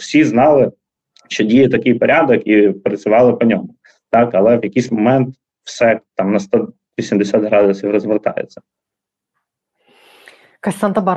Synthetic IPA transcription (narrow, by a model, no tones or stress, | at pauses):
wsʲiznɑlˠɪ | ʃt͡ʃɔdʲijɛt̪ɐkɪjpɔɾʲad̪ɔkipɾɐt͡sʲʊʋɑlˠɪpɔnʲɔmʊ | t̪ɑkɐlˠɛʋjɐkijsʲmɔmɛnt̪ | wsɛt̪ɑmnɐst̪ɔ | ʋʲisʲimd̪esʲad̪ɦɾɑd̪ʊsʲiwrɔzʋert̪ɑ̰jḛt͡sʲːɐ̥ | kɐsʲsɑnt̪ɐbɑ